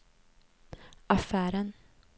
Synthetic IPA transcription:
ʔɑfæːɾən

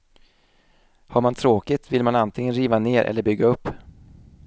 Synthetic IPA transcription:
haɾmant̪ʰɾoːkɪt̪vɪlmanant̪ʰɪŋənɾiːvaneːɾʔɛ̰lːəɾbʏɡːaɵpː

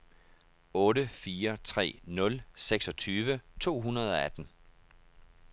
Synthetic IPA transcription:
ɔ̽ːɾəfiːɐt͡sʰʁɛ̰ːnɔ̽lseɡ̥sɒ̽t͡sʰyːʋət͡sʰo̝̰ːɦunɐð̞ˠɒ̽æd̥n̩

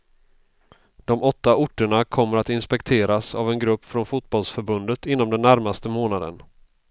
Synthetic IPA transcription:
d̪̥ɔmɔt̪ːaʊʈːəɳakʰɔmːəɾat̪ɪnspɛkt̪ʰeːɾasavɛnɡɾɵpːfɾɔnfʊt̪̚bɔlsfœɾbɵnd̪ət̪ɪnːɔmd̪ɛnːæɾmast̪əmoːnad̪ə̰n

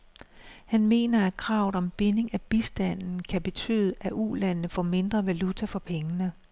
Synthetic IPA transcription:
hænme̝̰ːnɐæ̥kʰʁɑ̈ʊð̩ˠɒ̽mb̥e̝ne̝ŋæb̥isd̥æn̰n̩kʰæb̥e̝t͡sʰy̰ːð̞ˠʔæʔulænnəfɒme̝nd̥ʁɐʋælut͡sʰæfɒ̽pʰeŋənə

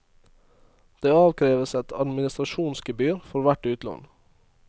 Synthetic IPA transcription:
d̪̥eːɑːʋkʰɾeːʋəsɛt̪ʰɑd̪mɪnɪst̪ɾɑʃuːnskəbyːɾfɔɾʋæʈʉːt̪lɔ̰n

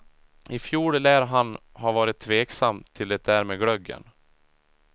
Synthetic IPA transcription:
ɪfjuːɽəlæːɾɦanhaɾvɑːɾɪt̪ʰːveːksamːt̪ʰɪld̪ɛt̪̚d̪æːɾmeːɡɽœɡə̰n

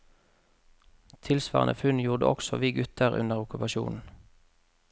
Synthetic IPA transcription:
t̪ʰɪlsʋɑ̰ːʁə̰nʔə̰fʉnjuːʁd̪ə̰ʔɔ̰ksɔʋiːɡʉt̪ʰəʁʉ̰nəʁʊkʉpɑʃṵːnn̩

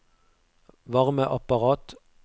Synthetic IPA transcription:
ʋɑʁməʔɑpɑʁɑːt̪

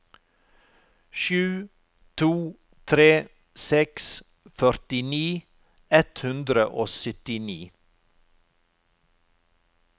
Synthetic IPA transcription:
ʃʉː | t̪ʰuː | t̪ʰɾeː | sɛks | fœɾt̪ɪniː | ɛt̪hʉnd̪ɾəʔoːsʏt̪ɪniː

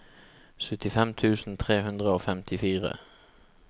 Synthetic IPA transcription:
sœt̪ɪfɛmt̪ʰʉːsn̩t̪ʰʁeːhʉnd̪ʁəoːfɛmt̪ʰɪfiːʁə̰

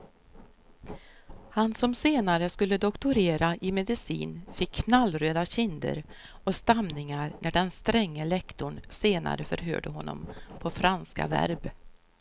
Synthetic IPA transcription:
hansɔmseːnaɾəskɵlːəd̪ɔkt̪ʊɾeːɾaʔɪmɛd̪ɪsḭːnfɪkʰːnalːɾøːd̪aɕɪnd̪ə̰ɾ | ɔst̪amnɪŋaɾnæɖɛnst̪ɾɛŋːəlɛkt̪ʊɳseːna̰ɾəfœ̰ɾɦø̰ːɖəɦɔnːɔ̰mpʰɔfɾanska̰væ̰ɾb

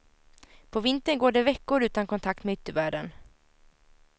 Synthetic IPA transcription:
pʰɔvɪnt̪əɳɡoːɖɛvɛkːʊɾʉ̟ːt̪ankʰɔnt̪ʰak̚t̪mɛːʏt̪ːəvæːɖən

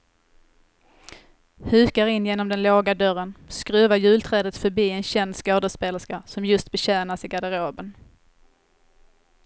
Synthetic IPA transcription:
hʉ̟ːkaɾɪnːjeːnɔmd̪ɛnloːɡad̪œɾənskɾʉ̟ːvajʉ̟ːlt̪ʰɾɛːd̪ət̪fœɾbiːɛnɕɛnd̪skoːd̪əspeːləskasɔmjɵst̪̚bɛɕæːnasɪɡad̪əɾoːbən

